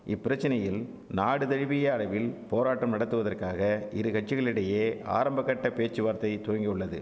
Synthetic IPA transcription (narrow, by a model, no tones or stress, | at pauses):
ʔɪpːɪɾɐt͡ʃːɪnɐjɪl | naːɽɯt̪ɛɻɪʋɪjɐɐɻɐʋɪlpoːɾaːʈːɐmnɐɽɐt̪ːɯʋɐðɐrkaːɣɐɪɾɯkɐʈ̚t͡ʃːɪɣɐɭɪɽɐjeːa̰ːɾɐmbɐkːɐʈːɐpeːt͡ʃːɯʋaːɾt̪ɐɪt̪oːŋɡɪɯɭːɐðɯ̰